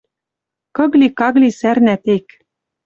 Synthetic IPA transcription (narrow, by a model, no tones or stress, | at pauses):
kɤ̆ɣlʲikɑɣlisærnæt̪ek